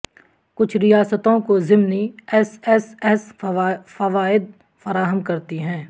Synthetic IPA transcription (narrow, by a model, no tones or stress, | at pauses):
kʊt͡ʃʰɾɪjaːsət̪õkozɪmniɛsɛsɛsfɐʋaːɪd̪̚ | fɐɾaːɦəmkɐɾt̪iɦɛ̃ː